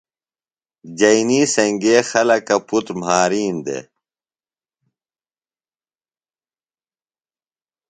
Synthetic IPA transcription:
d͡ʑɐiniːsɐŋɡeːxɐlɐkɐput̪ɾmɦaːɾiːnd̪ḛ

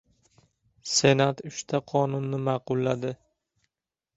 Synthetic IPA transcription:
se̞nat̪ʊʃt̪ʰaqʰɒnʊnːɪmɑqʊlˠːad̪ɪ

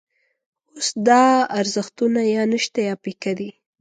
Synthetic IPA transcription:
osd̪ɑaɾzəxt̪unajɑnəʃt̪ajɑpikad̪i

